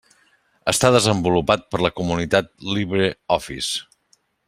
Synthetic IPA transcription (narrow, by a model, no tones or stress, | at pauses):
əst̪aðəzəmbulupat̪̚pəɾləkumunit̪at̪̚liβɾeɔfḭs